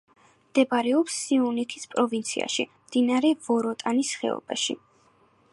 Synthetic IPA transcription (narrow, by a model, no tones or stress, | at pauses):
md̪̥ɛbaɾɛɔpsːiunit̪ʰispʼɾɔvint̪sʰḭa̰ʃḭmd̪̥inaɾɛvɔɾɔt̪ʼanisχɛ̰ɔ̰baʃḭ